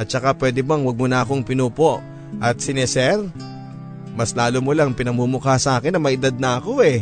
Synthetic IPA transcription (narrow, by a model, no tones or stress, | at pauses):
ʔɐt̪̚t͡ʃɐkapwɛːd̪ɪbɐŋwɐɡ̚monɐɐko̞ŋpɪnuːpo̞ʔ | ʔɐt̪̚sɪnɛsɛɾ | mɐslaːlomolɐŋpɪnɐmuːmʊkasɐʔaːkɪnːɐmɐʔɪd̪ad̪̚nɐʔɐko̞ʔɛ